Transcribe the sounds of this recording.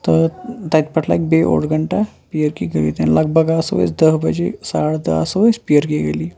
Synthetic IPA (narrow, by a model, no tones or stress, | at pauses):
t̪ət̪at̪pəʈʰla̰ek̚beʔo̰ɽɡʱəɳʈa | pijəɾkiɡəlḭt̪enləɡ̚bʱəɡasʋə̰sd̪əɦbəd͡ʑesaɽd̪əasʋəspiəɾkiɡeliː